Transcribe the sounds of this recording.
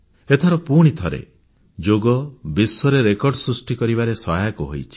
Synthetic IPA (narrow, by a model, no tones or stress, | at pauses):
et̪ʰaɾɔpuɽ̃it̪ʰɔɾḛ | d͡ʒoɡɔbiswɔɾeɾekɔɾɖsɾusʈikɔɾibaɾesɔɦjakuɦo̰jt͡ʃʰi̥